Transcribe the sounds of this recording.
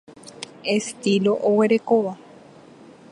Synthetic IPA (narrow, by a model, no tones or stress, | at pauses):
e̞st̪iloʔowe̞ɾe̞koʋa